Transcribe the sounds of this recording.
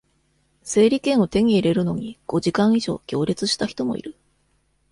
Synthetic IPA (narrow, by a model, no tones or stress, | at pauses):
se̞ːɾʲikẽ̞ɰ̃o̞t̪e̞ɲ̟iːɾe̞ɾɯ̟no̞ɲ̟iɡ̥o̞ʑikãɰ̃iʑo̞̰ːɡʲo̞ːɾʲet͡sɨɕi̥t̪açi̥t̪o̞mo̞̰ḭɾɯ̟